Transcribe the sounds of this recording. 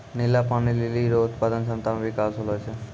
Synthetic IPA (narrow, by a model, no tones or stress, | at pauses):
nilapanililiɾout̪pad̪onʃɔmt̪ambikasɦolɦojt͡ɕʰe